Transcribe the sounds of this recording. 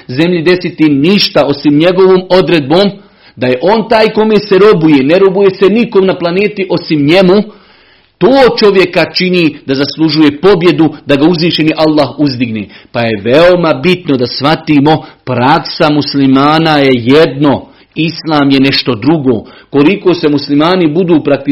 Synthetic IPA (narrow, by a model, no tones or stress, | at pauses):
ze̞mʎid̪e̞sit̪iniʃt̪ao̞simɲe̞ɡo̞ʋoːmo̞d̪ɾed̪̚boːm | d̪aje̞ʔo̞ːnt̪aːjko̞meːseɾo̞bujeneɾo̞bujeseniko̞mnaplˠaneːt̪iʔo̞simɲe̞mu | t̪oːt͡ʃo̞ʋje̞kat͡ʃiniːd̪azaslˠuʒuje̞po̞bje̞d̪ud̪aɡauzʋiːʃe̞niʔalˠːaːɦuzd̪iɡneːpaje̞ʋeo̞mabit̪no̞d̪asʋat̪iːmo̞pɾaksamuslimaːnajejed̪no̞ | islˠaːmjeneʃt̪o̞d̪ɾuɡo̰ːko̞liko̞ːse̞muslimaːnibud̪uːpɾak̚t̪i